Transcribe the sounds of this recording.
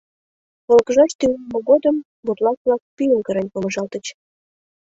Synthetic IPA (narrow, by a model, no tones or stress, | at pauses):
βolkəʒɑʃt̪yumoɣod̪əm | but̪lɑsβlɑk̚pyjəmkəɾenʲpomə̆ʒɑlt̪ə̆t͡ɕ